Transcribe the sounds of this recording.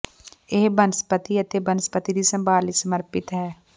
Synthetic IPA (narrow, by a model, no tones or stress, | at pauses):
eːbənspət̪iːət̪eːbənspət̪id̪iːsəmbaːliːsəməɾpɪt̪ɦɛː